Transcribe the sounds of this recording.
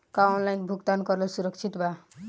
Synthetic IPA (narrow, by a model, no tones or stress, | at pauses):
kãnlaj̃kbʱukt̪ankʌɾlosuɾʌkt͡ʃʰit̪ba